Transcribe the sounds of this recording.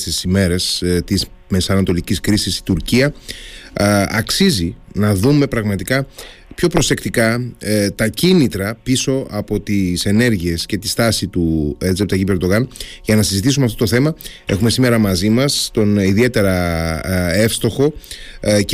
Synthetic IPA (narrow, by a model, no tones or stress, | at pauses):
st̪isime̞ɾe̞st̪izme̞sɐnɐt̪o̞liciskɾisist̪i̥t̪uɾciɐ | ɐksizinɐðume̞pɾɐɣmɐt̪ikɐ | pço̞pɾo̞se̞kt̪ikɐt̪ɐcinit̪ɾɐpiso̞ɐpo̞t̪ise̞ne̞ɾʝie̞sce̞t̪i̥st̪ɐsit̪uezep̚t̪ɐʝibe̞ɾd̪o̞ɣɐnʝɐnɐsizit̪isumeɐft̪ot̪θe̞mɐe̞xume̞sime̞ɾɐmɐzimɐst̪o̞niðie̞t̪e̞ɾɐ | e̞fst̪o̞xo̞